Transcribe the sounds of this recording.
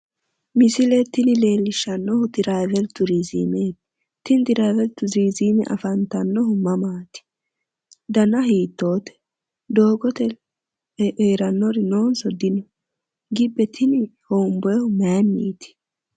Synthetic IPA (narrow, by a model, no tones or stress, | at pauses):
mɪsɪlɛt̪ːɪnɪle̞ːlːɪʃːɐnːɔhʊt̪ɪɾajvɛlt̪ːʊɾizḭːmeːt̪ | t̪ɪnt̪ɪɾajvɛɾt̪ːʊziːziːmɛ̰ʔɐ̰fɐnt̪ɐnːɔɦʊmɐmaːt̪ɪ̥ | d̪ɐnɐɦiːt̪ːo̞ːt̪ɛ̥ | d̪o̞ːɡɔt̪ɛ | ʔeːɾɐnːɔɾɪno̞ːnsɔd̪ɪnʊ | ɡɪbːɛt̪ʰɪnɪhoːmbɔɛhʊmaːmːḭːt̪ɪ̥